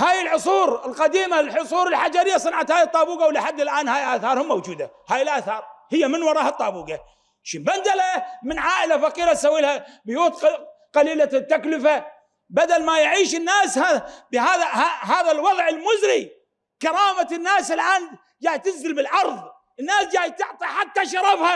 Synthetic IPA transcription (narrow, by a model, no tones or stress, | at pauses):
haːjɪlħʊsˤuːɾɪlqɑd̪iːmalħʊsˤuːɾɪlħad͡ʒaɾɪjːasˤɨnʕat̪haːjɪt̪ˤːɑːbuːɡawlɪħad̪ːɪlʔaːnhaːjʔaːθɑːɾˤhʊmːawd͡ʒuːd̪a | haːjɪlʔaːθɑːɾˤhɪjːamɪnwɑɾˤɑːhɑt̪ˤːɑːbuːɡa | ʃimband̪alamɪnʕaːʔɪlafaqiːɾat̪sawːilhabʊjuːt̪ | qɑliːlat̪ːaklɪfa | bad̪almajʕiːʃɪnːaːshabɪhaːðahahaːðalwɑðˤʕɪlmʊzɾi | kɑɾˤɑːmanːaːsɪlʔaːn | d͡ʒaːjt̪ɪnzɪlbɪlʕɑɾˤðˤ | ɪnːaːsd͡ʒaːjt̪ɪʕt̪ˤiħat̪ːaʃɑɾˤɑfha